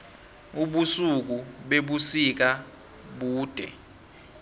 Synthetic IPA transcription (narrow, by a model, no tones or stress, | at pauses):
uɓusuk̬uɓeɓusik̬a | ɓuːd̥ʱɛ̰